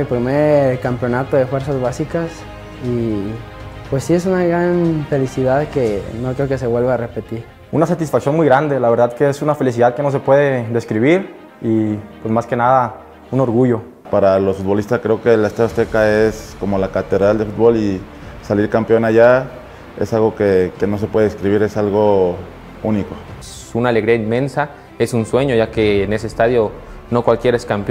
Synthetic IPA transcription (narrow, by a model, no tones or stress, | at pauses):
elpɾimeɾkampjo̞nat̪o̞ðefwe̞ɾs̬azβasikas | i | pwesːies̬unaɣɾanfe̞lisiðaðkenokɾeokese̞βwelβaːre̞pet̪iɾ | unasat̪isfaksjo̞nmujɣɾand̪e̞laβe̞ɾðaðkeesunafe̞lis̬iðaðke̞no̞s̬e̞pwe̞ðe̞ðeskɾiβ̞iɾ | ipwesmaske̞naða | uno̞ɾɣuʝo̞ | paɾalosfut̪bo̞list̪askɾe̞okelaest̪aost̪ekaesko̞molakat̪e̞ðɾald̪efut̪̚βo̞li | saliɾkampeo̞naʝa | ḛsalɣo̞keke̞no̞s̬epweðeskɾiβiɾe̞salɣo̞ | uniko | unaleɣɾiainmẽ̞nsa | e̞sunswe̞ɲo̞ʝake̞ːne̞sest̪aðjo̞ | no̞kwalkje̞ɾaeskamp